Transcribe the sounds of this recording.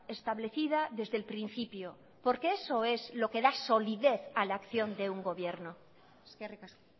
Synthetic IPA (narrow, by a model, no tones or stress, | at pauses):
e̞st̪aβle̞θið̞aðe̞zðe̞lpɾĩn̟θipjo | po̞ɾkeeso̞ezlo̞ke̞ðaso̞liðe̞θalaːkθjo̞nd̪euŋɡo̞βje̞ɾno | ereka